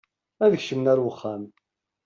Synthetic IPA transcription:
æðəçʃəmnæɾwəχːæm

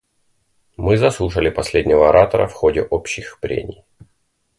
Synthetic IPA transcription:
mɨzɐslˠuʂəlʲɪpɐsʲlʲedʲnʲəvəɐɾʔat̪əɾə̰fxodʲɪʔopɕːɪxpɾʲḛnʲɪj

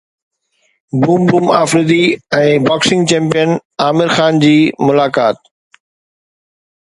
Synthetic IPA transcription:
buːmbuːma̰ːfɾɪd̪iɛ̃ːbaːksɪ̃ŋɡt͡ɕɛ̃ːmpijənaːmɪɾxaːnd͡ʑiːmʊlaːkaːt̪

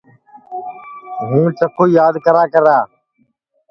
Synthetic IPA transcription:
ɦũːt͡ʃəkʰoːijaːd̪kəɾaːkəɾaː

